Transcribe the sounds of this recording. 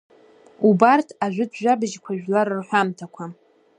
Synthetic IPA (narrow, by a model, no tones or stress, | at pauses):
ubartʰaʒᶣʷʊdʒʷᶣabɨʒkʷʰaʒᶣlaɾrħʷᶣamtʰakʷʰa